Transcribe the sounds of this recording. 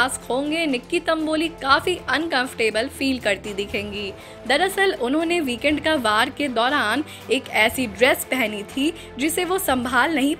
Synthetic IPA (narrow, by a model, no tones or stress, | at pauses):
aːskʰõːŋɡenɪkːit̪ɐ̃mboːlikaːfiɐnkɐ̃mfə̥ʈeːbəlfiːlkɐɾt̪id̪ɪkʰẽːŋɡiː | d̪ɐɾɐsəlʊnɦõːneʋiːkɛ̃ːɳɖkaʋaːɾked̪ɔːɾaːn | eːkɛːsiɖɾɛːspɛɦnit̪ʰi | d͡ʒɪseʋosɐ̃mbʱaːlnɐɦĩ